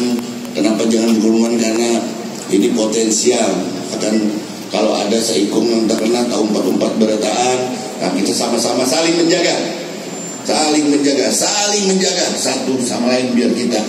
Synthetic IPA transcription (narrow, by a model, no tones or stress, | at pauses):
n | kənapad͡ʒaŋanbəɡuɾuŋankarna | inipot̪ɛnsial | akan | kaloa̰dasəikʊmnaŋt̪akərnat̪aɦuəmpat̪əmpat̪̚bəɾat̪aʔan | a̰ŋkit̪asamasamasalɪŋməɲd͡ʒaɡa | salɪŋməɲd͡ʒaɡasalɪŋməɲd͡ʒaɡasat̪usa̰malaɪnbiarkit̪a